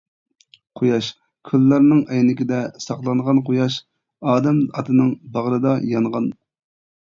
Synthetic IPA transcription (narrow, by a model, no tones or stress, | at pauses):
qʰojɑʃ | kʲʰylːɑɾnɨŋɛjnɪkʲid̪ɛsɑqlˠɑnʁɑnqʰojɑʃ | ɑːd̪ɛmɑt̪ʰɨnɨŋbɑʁɾɨd̪ɑjɑnʁɑn